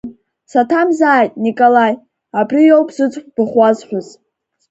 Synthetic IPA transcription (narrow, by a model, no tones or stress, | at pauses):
satʰamzaːjtʼnikʼolaj | abrijowpʼz̥ɨt͡sʷʼħʷb̥ɨχʷazħʷʊz